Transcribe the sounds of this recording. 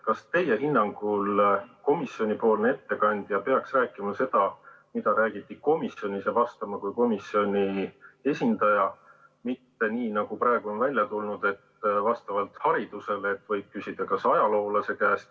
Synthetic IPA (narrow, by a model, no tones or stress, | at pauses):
kɑst̪e̞je̞ɦinːɑŋɡ̥ulko̞misjo̞nʲipo̞ːlne̞t̪ːe̞kɑnʲd̪̥jɑpe̞ɑksræːkːˑimɑse̞d̪̥ɑ | mid̪̥ɑɾæːɡ̥it̪ːˑiko̞misjo̞nʲisevɑst̪ɑmɑkujko̞misjo̞nʲie̞sʲind̪̥ɑjɑ | mit̪ːe̞niːnɑɡ̥uprɑˑeɡ̥uo̞nvælʲjɑt̪ulnud̪̥e̞t̪vɑst̪ɑvɑlt̪hɑɾid̪̥use̞leet̪vɤjb̥̚kysʲid̪̥ɑkɑsɑjɑlo̞ːlɑse̞kæːst̪